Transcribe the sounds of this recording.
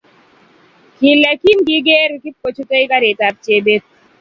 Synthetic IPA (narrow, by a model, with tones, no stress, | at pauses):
ki˨lɛ˨ki˦mki˨˦ɡe˦ɾki˦p̚ko˨t͡ʃu˦t̪o˦i˦ka˦ɾe˨ta˦˨p̚t͡ʃe˦be˦